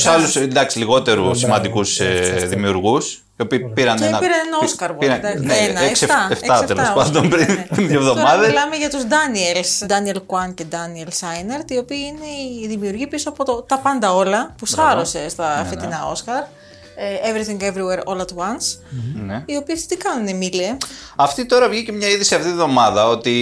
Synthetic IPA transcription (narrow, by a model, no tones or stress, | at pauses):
u̥sɐlusd̪ɐksiliɣo̞t̪e̞ɾusimɐnd̪ikuseðimiuɾɣus | io̞piːpiɾɐnenɐpiɾɐnenɐoskɐɾvɾɐneenɐekst̪ɐeft̪ɐt̪elspɐnd̪ompɾiiðevðo̞t̪oɾmɐðɐlɐmeʝɐt̪uzd̪ɐnielsd̪ɐnielkwɐnce̞d̪ɐnielsɐjneɾt̪io̞piɐine̞iðimiuɾʝipisoɐpo̞t̪ot̪ɐpɐnd̪ɐo̞lɐpusɐɾo̞se̞st̪ɐfet̪inɐo̞skɐɾ | evɾiθiŋɡevɾiweɾo̞lɐt̪owɐnsneio̞piest̪ikɐnunemileɐft̪it̪o̞ɾɐvʝicemɲɐiðisiɐft̪iiðo̞mɐðɐot̪i